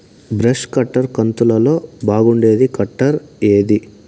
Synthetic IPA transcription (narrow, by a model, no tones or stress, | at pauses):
bɾɐʂkɐʈːɐɾkɐnt̪ulɐlo̞ːbaːɡuɳɖe̞ːd̪ikɐʈːɐɾe̞ːd̪i